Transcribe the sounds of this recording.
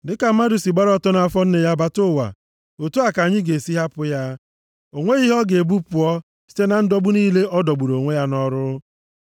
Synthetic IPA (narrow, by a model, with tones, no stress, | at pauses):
dɪ˦ka˨ma˦du˨si˨ɡ͡ba˦ɾtɔ˦na˨a˦˨fɔ˦n̩˦ne˨ja˦ba˦tʊ˦˨wa̰˨ | o˨tu˦a˨ka˨ɲɪ˦ɡe˨si˦ɦa˦pʊ˦ja˦ | o˨ŋʷe˦i˦ɦɔ˦ɡe˨bu˦pʊ˨ɔ˦ | si̥˦te˦na˨n̩˦dɔ˦ɡ͡bʊ˦niː˦le˦ʔɔ˦dɔ˨ɡ͡bu˨ɾo˨ŋʷe˦ja˦nɔ˦ɾʊ˦